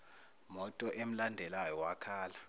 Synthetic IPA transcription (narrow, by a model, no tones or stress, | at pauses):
mɔtʼɔʔem̩landʱɛlajɔwakʰaːla